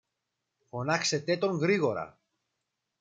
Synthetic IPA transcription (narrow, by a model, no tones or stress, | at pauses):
fo̞nɐkse̞t̪e̞t̪o̞ŋɣɾiɣo̞ɾɐ̰